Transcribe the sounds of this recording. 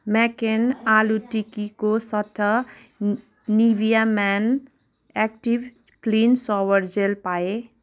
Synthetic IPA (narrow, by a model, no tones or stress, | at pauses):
mɛkenaluʈikikosʌt̪ʰːʌ | nibijamɛn | ɛk̚ʈib | klinsɔwʌɾd͡ʒelpae